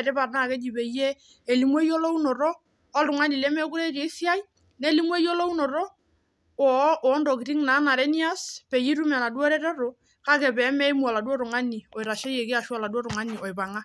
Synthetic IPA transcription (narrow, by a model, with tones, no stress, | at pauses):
ɾɛ˦ba˨rna˦˨ke˦d͡ʒi˨be˨je˦ | e˨li˨mwɔ˦jo˦lo˦u˦nɔ˨ɾɔː˦ | ltʊ˨ŋa˦ni˨lɛ˦mɛ˦ku˦ɾe˦ke˨˦si˦a˦j | ne˦li˦mwɔ˦jɔ˦lo˦u˦nɔ˨ɾɔ˦ | ɔ˨˦ʔɔ˨˦ndɔ˨ki˨ɾi˦ŋna˨˦na˨ɾɛ˦ni˦a˦spe˨ji˦ɾu˦m˨a˨na˨dwɔ˦ɾɛ˦ɾɔ˦ɾo˨ | ka˦kɛ˨pɛ˨˦mɛ˦mu˦a˨la˨dwɔ˦ɾʊ˨ŋa˦ni˨ɔ˨ɪ˨ɾa˨ʃɛ˦je˨kɪ˦a˨ʃu˦a˨la˨dwɔ˦ɾʊ˨ŋa˦ni˨ɔ˨ɪ˨ba˨ŋa˦